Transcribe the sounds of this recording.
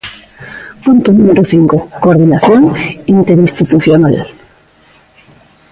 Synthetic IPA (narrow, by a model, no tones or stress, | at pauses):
punt̪unũmeɾoθiŋkokoɾðinaθjoŋint̪eɾist̪it̪uθjonal